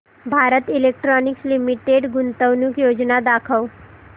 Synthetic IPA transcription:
bʱaːɾət̪ɪlek̚ʈɾɔːnɪkslimiʈeɖɡʊnt̪əwnukjoːd͡ʒnad̪aːkʰəw

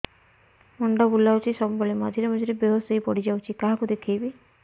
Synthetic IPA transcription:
mɔɳɖɔbulawt͡ʃʰisɔbbɔɭemad͡ʒʱiɾemɔd͡ʒʱiɾebeɦɔsɔjpɔɽid͡ʒawt͡ʃʰikaɦakud̪ekʰijbi

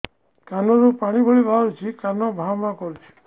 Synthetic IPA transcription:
kanɔɾupaɽ̃ibʱɔɭibʱaɾut͡ʃʰikanɔbʱawmakɔɾut͡ʃʰi̥

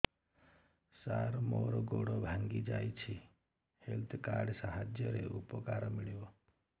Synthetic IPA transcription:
saɾmoɾɡoɽobʱãŋɡid͡ʒajt͡ʃʰi | helt̪ʰkaɾɖsaɦad͡ʒjəɾeʔupɔkaɾmiɭjo

